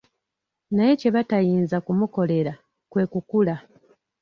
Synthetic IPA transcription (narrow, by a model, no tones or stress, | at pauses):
naje̞ce̞βatajiːnzakumuko̞le̞ɾa | kwe̞ːkukula